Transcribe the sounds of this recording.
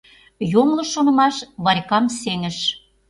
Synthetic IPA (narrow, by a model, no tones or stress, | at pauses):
jomlɤ̆ʃonə̆mɑʃβɑrʲkɑmseŋə̆ʃ